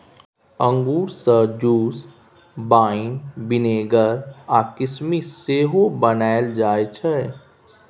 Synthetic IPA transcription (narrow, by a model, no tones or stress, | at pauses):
ə̃ŋɡuːɾsəd͡ʒuːs | baːinbɪneːɡəɾaːkɪsmiseːɦobənaːɪld͡ʒaːet͡ʃʰɛ